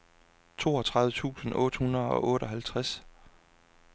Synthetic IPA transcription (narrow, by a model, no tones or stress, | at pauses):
t͡sʰo̝̰ːɒt͡sʰʁɑ̈ððʋˠət͡sʰṵːsn̩ɔ̰̽ːd̥hunɐðˠɒ̽ʔɔ̽ːɾɒ̽ɦælt͡sʰʁas